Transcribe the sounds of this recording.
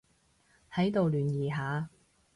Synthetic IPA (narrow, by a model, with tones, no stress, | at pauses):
hɐ˨˥jt̪o˨wlyː˨njiː˨ɦaː˨˧